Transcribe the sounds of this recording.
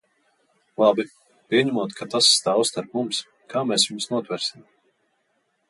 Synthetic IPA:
lˠabi | pʲiɛɲimuɔt̪kʰat̪asːt̪aːwst̪aɾpmums | kʰaːmɛːsjumsnuɔt̪vɛɾsʲim

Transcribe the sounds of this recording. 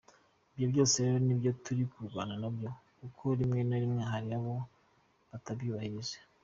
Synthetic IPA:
ibjobjo̞ːseɾeɾo̞nibjo̞tuɾikuɾɡwa̰ːnanobjokukʰo̞ɾimŋe̞noɾimŋe̞ɦaɾiaβo̞ | βatabjuːβahiʒe̥

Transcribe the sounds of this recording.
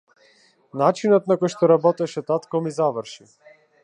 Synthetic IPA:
nat͡ʃinɔt̪̚nakɔjʃt̪ɔɾabɔt̪ɛʃɛt̪at̪kɔmizavəɾʃi

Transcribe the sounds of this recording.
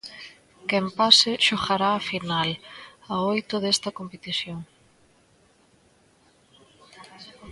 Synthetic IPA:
kɛmpasɪʃoɣaɾaːfinalaojt̪ʊðest̪ɐkompet̪iθjoŋ

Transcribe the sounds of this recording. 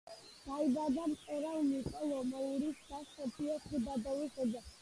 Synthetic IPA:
d̪̥aibad̪amqʼɛɾamikʼɔlɔmɔuɾisd̪asɔpʰiɔsib̪ad̪ɔviχɔd̪a

